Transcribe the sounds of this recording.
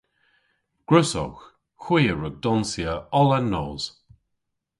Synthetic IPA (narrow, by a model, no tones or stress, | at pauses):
ɡ̥ɹʊsɔ̰x | xwiːəɹəɡ̚dɔnsiəɔlanːɔːz̥